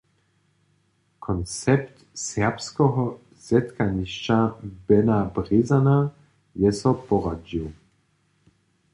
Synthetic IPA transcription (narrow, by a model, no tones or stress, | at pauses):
kʰɔnt͡sɛpt̪ | sɛʁpskɔɦɔ | z̥ɛt̪kaniʃt͡ʃabɛnabʁezana | jɛsɔpɔʁad͡ʒiw